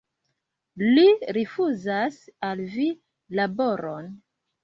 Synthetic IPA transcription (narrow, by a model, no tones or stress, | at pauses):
liɾifuzasalvi | labo̞ɾon